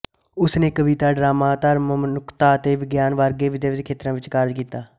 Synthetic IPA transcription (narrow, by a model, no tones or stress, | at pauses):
ʊsneːkəʋiːt̪aːɖɾaːmaːt̪aɾməmnʊkt̪aːt̪eːʋɪɡjaːnʋaːɾɡeːʋɪd̪eːʋd̪kʰeːt̪ɾãːʋɪt͡ʃkaɾd͡ʒkiːt̪aː